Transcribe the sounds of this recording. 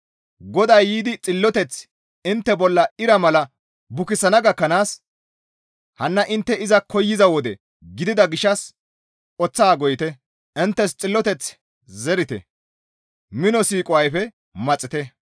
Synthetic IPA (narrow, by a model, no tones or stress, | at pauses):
ɡɔd̪ɐjːiːd̪ɪt͡sʼɪlːɔt̪ɛt͡s | ɪnt̪ːɛbɔlːɐɪɾɐmɐlɐ | bʊkɪsɐnɐɡɐkːɐnaːs | hɐnːɐʔɪnt̪ːɛɪzɐkʰɔjːɪzɐwɔd̪ɛ | ɡɪd̪ɪd̪ɐɡɪʃːɐs | ʔɔt͡sːaːɡɔjɪt̪ɛ | ɪnt̪ːɛst͡sʼɪlːɔt̪ɛt͡s | zɛɾɪt̪ɛ̰ | mɪnɔsiːkʼʊwɐjfɛ | mɐt͡sʼːɪt̪ɛ